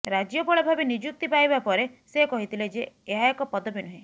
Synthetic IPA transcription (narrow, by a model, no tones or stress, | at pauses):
ɾad͡ʒjɔpɔɭɔbʱabinid͡ʒuk̚t̪ipajbapɔɾesekɔɦit̪ʰiled͡ʒeːɦajkɔpɔd̪ɔpinuɦĩ